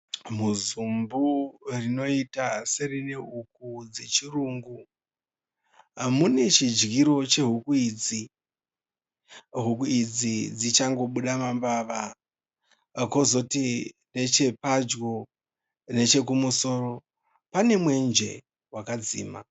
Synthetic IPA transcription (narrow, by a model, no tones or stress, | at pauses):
muzumburino̞itaserineuk̚ud͡ze̞t͡ʃiruːŋɡu | ɦamune̞t͡ʃid͡ʒɡiɾo̞t͡ʃe̞ɦukuiːd͡zi | ɦukuid͡zid͡zit͡ʃaŋɡo̞ɓuɗamambaːʋa | ko̞zo̞ti | ne̞t͡ʃe̞pad͡ʒɡo̞ | ne̞t͡ʃe̞kumuso̞ːro̞ | pane̞mwe̞nd͡ʒe̞̰ | wakad͡zḭːma̰